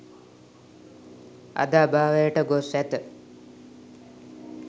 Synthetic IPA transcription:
a̰d̪abaːʋəjəʈəɡosɛt̪ə

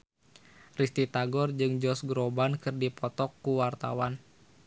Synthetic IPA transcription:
rist̪it̪aɡɔrd͡ʒɨŋd͡ʒɔsɡɾɔbankɨrdipɔt̪ɔkːuwart̪a̰wan

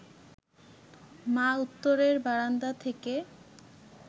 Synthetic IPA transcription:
maut̪ːoɾeɾbaɾand̪at̪ʰeke

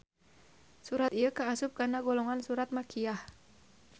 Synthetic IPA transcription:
suɾat̪iəkaːsʊp̚kanaɡɔlɔŋansuɾat̪̚makʰiah

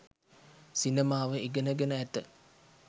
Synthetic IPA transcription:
sinemaːʋəiɡənəɡenəæt̪ə

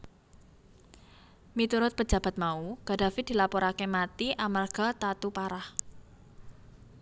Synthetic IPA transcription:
mit̪uɾʊt̪̚pə̥d͡ʒ̥a̤b̥a̤t̪̚mauɡ̥a̤dafid̥i̤lapɔɾakemat̪iʔamarɡ̥a̤t̪at̪upaɾah

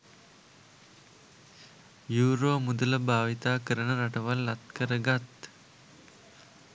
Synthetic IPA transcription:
juːɾoːmud̪ələbʱaːʋit̪aːkəɾəɳəɾɐʈɐʋɐlːɐt̪kəɾəɡɐt̪

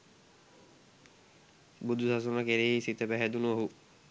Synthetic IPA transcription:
bud̪ʱːusasonakeɾeɦisit̪ːepɛɦɛd̪unuoɦu

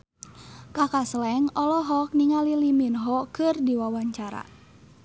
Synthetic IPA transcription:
kakaslɛŋɔlɔɦɔk̚niŋaliliminɦɔkɨrdiwawaɲt͡ʃaɾa̰

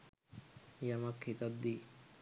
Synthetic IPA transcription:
jɐmɐkhit̪ɐd̪ːiː

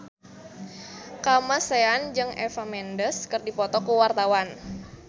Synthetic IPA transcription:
kamaseand͡ʒɨŋɛ̰famɛndəskɨrdipɔt̪ɔkuwart̪awan

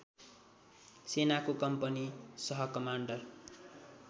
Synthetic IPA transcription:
senakokʌmpʌnisʌɦʌkʌmaɳɖʌr

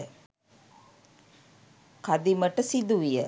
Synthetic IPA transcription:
kad̪iməʈəsid̪uʋijə

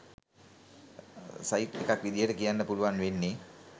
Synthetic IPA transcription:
sajiʈːekakʋid̪ijəʈəkijanːəpuluʋanʋenːe

